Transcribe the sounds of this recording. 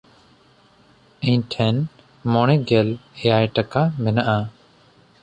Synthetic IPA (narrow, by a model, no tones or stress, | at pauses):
ɛ̃ɲʈʰɛn | mɔɽ̃ɛɡɛlɛjajʈakamɛnaʔa